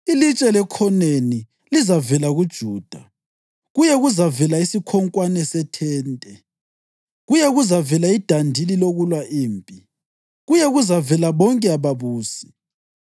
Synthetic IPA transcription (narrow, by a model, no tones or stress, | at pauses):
ilit͡ʃʼɛlɛkʰɔneni | lizavɛlaɣud̥ʒ̥ʱuːd̥ʱa | ɣujɛɣuzavɛlaisikʰɔŋkʼwanɛsɛtʰɛːntʼɛ | ɣujɛɣuzavɛlaid̥ʱandʱililoɣulwaʔiːmpʼi | ɣujɛɣuzavɛlaβɔŋkʼɛaβaβuːsi̥